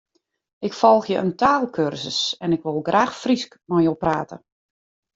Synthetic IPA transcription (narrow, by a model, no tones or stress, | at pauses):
ʔɪkfɔlˠxjəʔəntaːlˠkʰørsəsɛnɪkʋolˠɡraːxfriskmɔjopraːtə̰